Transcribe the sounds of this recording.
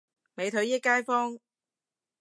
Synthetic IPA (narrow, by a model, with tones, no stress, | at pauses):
me˨˧jt̪ʰɵ˨˥ɥjiː˥kːaː˥jfɔː˥ŋ